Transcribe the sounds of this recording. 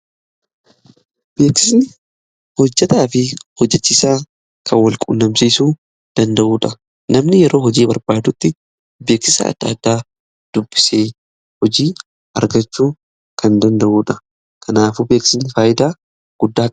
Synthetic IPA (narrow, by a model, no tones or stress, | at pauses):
b̥e̞ːkɪsnɪ | hɔd͡ʒːɐt̪aːfɪhɔd͡ʒːɛt͡ʃːɪsaː | kʰɐnwɐlkʼʊ̰nːɐmsiːsuː | d̪̥ɐnd̪ɐʔuːᶑɐ | nɐmnɪjɛɾʔo̞ːɦɔd͡ʒiːbɐɾbaːd̪ʊt̪ːɪ | be̞ːksɪsɐ̰ɐ̰d̪̥ːa̰ːd̪ːaː | d̪̥ʊbːɪ̥seː | hɔd͡ʒiː | ɐ̰ɾɡɐt͡ʃːuː | kʰɐnd̪ɐnd̪ɐʔuːᶑɐ | kʰɐnaːfube̞ːksɪsnɪfaːjɪd̪aː | ɡ̥ʊd̪ːaː